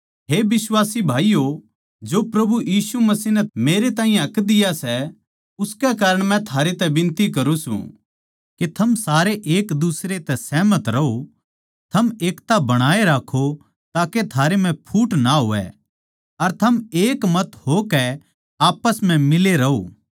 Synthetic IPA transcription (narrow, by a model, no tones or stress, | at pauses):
ɦeːbɪswaːsibʱaːijo | d͡ʒopɾɐbujiːsumɐsinɛmeːɾet̪aːĩjẽɐkd̪ɪjasɛ | ʊskɛkaːɾəɽ̃mɛ̃t̪ʰaːɾet̪ɛbɪ̃nt̪ikɐɾũsṵ̃ | ket̪ʰɐmsaːɾeʔeːkd̪usɾet̪ɛsɛːmət̪ɾɐɦo | t̪ʰɐmeːkt̪abɐɽ̃aːeɾaːkʰo | t̪aːket̪ʰaːɾem̤ɛ̃pʰuːʈnaɦo̰ːɛ̰ | ɐɾt̪ʰɐmeːkmɐt̪hokɛ | aːpəsm̤ɛ̃mɪleɾɐoː